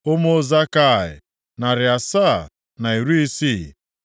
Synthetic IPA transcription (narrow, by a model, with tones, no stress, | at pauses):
o˦mo˦za˦ka˦˨ɪ̰˨ | na˨ɾɪ˨a˨sa̰˦˨ | na˨i˨ɾu˦i˦si˦˨